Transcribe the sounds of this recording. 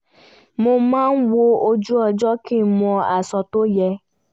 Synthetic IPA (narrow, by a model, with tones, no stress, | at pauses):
mo˧mãː˦n̩˦wo˧o˧d͡ʒu˦ɔ˧d͡ʒɔ˦ki˦˨mɔ̃˧a˨sɔ˧to˦jɛ˧